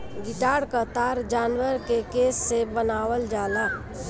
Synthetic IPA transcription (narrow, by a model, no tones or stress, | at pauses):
ɡɪʈaːɽkət̪aːɾd͡ʒaːnwəɾkekesːebənaːwəld͡ʒaːla